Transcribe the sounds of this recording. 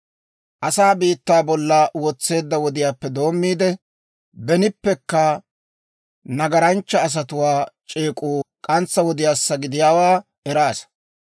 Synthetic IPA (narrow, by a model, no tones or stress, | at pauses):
ʔɐsaːbiːt̪ːaːbɔlːɐwɔt͡sːe̞ːd̪ːɐwɔd̪ɪjaːpːɛd̪o̞ːmːiːd̪ɛ | bɛnɪpːɛkːɐ | nɐɡɐɾɐnt͡ʃːɐːs̬ɐt̪ʊwaːt͡ʃʼeːkʼuːkʼɐnt͡sːɐwɔd̪ɪjaːsːɐɡɪd̪ɪjaːwaː | ɛɾaːs